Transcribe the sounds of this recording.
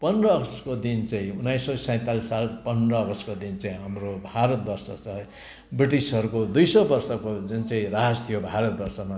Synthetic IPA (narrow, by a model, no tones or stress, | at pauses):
pʌnrʌɡʌskod̪int͡saĩunːajsːʌsʌ̃j̃t̪alisalpʌnrʌːɡʌskod̪int͡saĩɦamrobʱaɾʌt̪̚bʌrsʌt͡sʰʌɦ | briʈisɦʌɾukod̪ujsʌbʌrsʌkod͡zunt͡saĩɾaɦst̪ʰijobʱaɾʌt̪̚bʌrsʌma